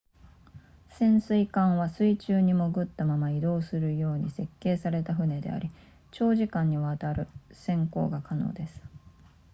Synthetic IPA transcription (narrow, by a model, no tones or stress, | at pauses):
sẽ̞ɰ̃sɨikãɰ̃βasɨit͡ɕɨːɲ̟imo̞ɡɯ̟t̪ːamamaid̪o̞ːsɨɾɯ̟jo̞ːɲ̟ise̞kːe̞ːsaɾe̞t̪aɸɯ̟ne̞d̪e̞̰a̰ɾʲi | t͡ɕo̞ːʑikãɲ̟ːiβaːt̪aɾɯ̟sẽ̞ŋko̞̰ːɡakʰano̞̰ːd̪e̞sɨ̥